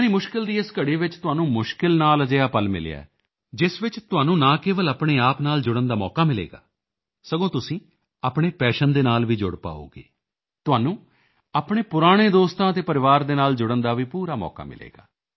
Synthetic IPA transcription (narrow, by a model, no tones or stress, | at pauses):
niːmʊʃkɪld̪iːɪskəɽiːʋɪt͡ʃt̪ʊaːnũːmʊʃkɪlnaːləd͡ʒeːaːpəlmɪ̰lḛja̰ɛ̰ː | d͡ʒɪsʋɪt͡ʃt̪ʊaːnũːnãːkeːʋələpɳ̃eːaːpnaːld͡ʒʊɽənd̪aːmɔːkaːmɪlḛːɡa̰ː | səɡõːt̪ʊsĩː | aːpɽeːpɛːʃənd̪eːnaːlʋiːd͡ʒʊɽpa̰ːo̰ːɡḛː | t̪ʊɦaːnũː | aːpɳ̃eːpʊɾaːɽ̃eːd̪oːst̪ãːət̪eːpəɾɪʋaːɾd̪eːnaːld͡ʒʊɽənd̪aːʋiːpuːɾaːmɔ̰ːka̰ːmɪ̰lḛːɡa̰ː